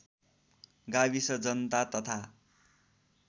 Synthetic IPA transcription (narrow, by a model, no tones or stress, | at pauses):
ɡabisʌd͡zʌnt̪at̪ʌt̪ʰa